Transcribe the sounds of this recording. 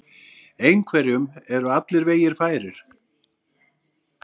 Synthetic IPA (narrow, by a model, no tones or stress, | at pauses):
ejnkʰvɛɾjʏmɛɾʏat̪lɪɾveːjɪɾ̥faːjɾɪɾ̥